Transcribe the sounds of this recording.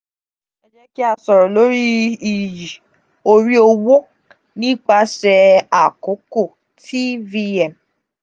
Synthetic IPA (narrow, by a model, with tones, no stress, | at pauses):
ɛ˦d͡ʒɛ˦ki˦a˨sɔ˨ɾɔ˨lo˨˦ɾi˦i˨ji˨ | o˦ɾi˦o˦wo˦ | nĩ˦k͡pa˦sɛ˧a˨ko˨˦ko˦˨ | tʰi˦vi˦ɛ˨m˨